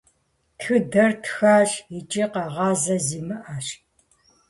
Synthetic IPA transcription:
tʰxɨdɐrtʰxaːɕit͡ʃʼiːqɐʁɑːzɐziːmɨʔɐɕ

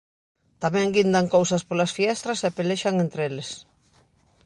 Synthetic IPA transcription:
t̪amɛ̃ŋɡind̪aŋkowsɐspolasfiɛst̪ɾaseapeleʃaŋent̪ɾeles

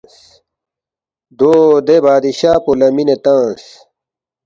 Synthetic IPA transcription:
s | d̪oːd̪ebaːd̪iɕaːpolɐminet̪ãːs

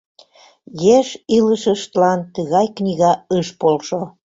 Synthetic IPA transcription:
jeʃiləʃəʃt̪lɑnt̪əɣɑjknʲiɣɑəʃpolʃo

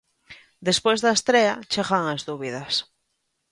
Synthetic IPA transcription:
d̪espwejzðaest̪ɾeat͡ʃeɣaŋazðuβiðas

